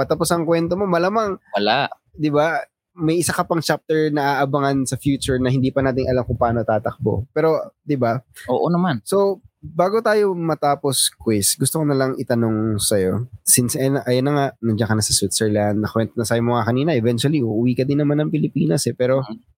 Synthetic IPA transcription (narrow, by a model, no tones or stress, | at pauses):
mɐt̪ɐposɐŋkwɛnt̪omo̞mɐlamaŋwɐlaʔ | d̪ɪba | mɐjʔɪsakɐpɐŋt͡ʃap̚t̪ɛɹnɐʔaʔɐbɐŋansɐfjuːt͡ʃʊɹnɐhɪnd̪iːpɐnaːt̪ɪŋʔɐlamkʊŋpaːnot̪aːt̪ɐk̚bo̞̰pɛːɾo̞d̪ɪbaoːʔonɐmanso̞baːɡo̞t̪aːjo̞mɐt̪aːpo̞skwɪsɡʊst̪okonɐlɐŋɪt̪ɐno̞ŋsɐjo̞sɪnsʔɐjnɐʔɐjanɐŋaʔnɐd͡ʒɐŋkɐnɐsɐswɪt̪sɛɹland̪̚nɐkwɛnt̪onɐsaːjomoŋakɐniːnɐʔɛvɛnt̪wɐliʔuʔʊwiːkɐd̪ɪnːɐmanɐŋpɪlɪpḭːnɐsɛpɛːɾo̞